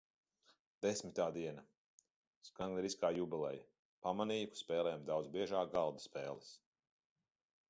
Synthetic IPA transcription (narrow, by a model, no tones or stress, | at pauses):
d̪̥esmʲit̪aːd̪iɛna | skaŋɡ̪nɛɾiskaːjubɛlˠɛ̰j | pamaniːku̥spɛːlɛjamd̪awd̪zbiɛʒaːkɡalˠd̪ḁspɛːlˠɛs